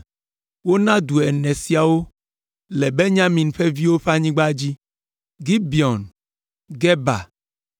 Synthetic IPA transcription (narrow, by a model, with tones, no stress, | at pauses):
wo˦nã˦d̪u˨ɛ˨nɛ̃˨si˨a˨wo˦ | lɛ˨be˦ɲã˦mĩ˨nɸe˦vi˦wo˦ɸe˦a˦ɲĩ˦ɡ͡ba˦d͡ʑi˦ | ɡi˦bi˨ɔ˨n | ɡɛ˦ba̰˨